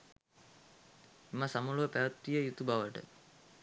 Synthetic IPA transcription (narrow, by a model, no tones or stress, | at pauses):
iməsamuluʋəpæʋət̪ːijəjut̪ubaʋəʈə̰